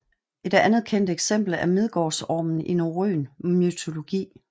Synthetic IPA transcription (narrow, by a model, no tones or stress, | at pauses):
ʔe̝d̥ænð̞̩ˠkʰen̰d̥eɡ̥sem̰b̥l̩æɐmeð̞ˠɡ̥ɒːsɒ̰ːmn̩inoʁø̰ːnmyt͡sʰo̝lo̝ɡ̥ḭː